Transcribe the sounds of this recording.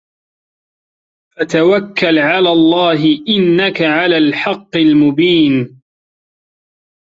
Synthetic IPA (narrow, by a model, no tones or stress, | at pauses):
fat̪awakːalʕalaːlˤːɑːɦɪʔɪnːakaʕalaːlħɑqːɪlmʊbiːn